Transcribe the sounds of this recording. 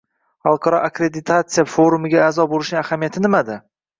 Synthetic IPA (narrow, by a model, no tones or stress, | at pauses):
halˠqʰɑɾɒʔakɾed̪ɪt̪ʰat̪sɨjafoɾumɪɡʲaaːzɒbolɪʃnɪŋahamijat̪ʰɪnɪmad̪ɪ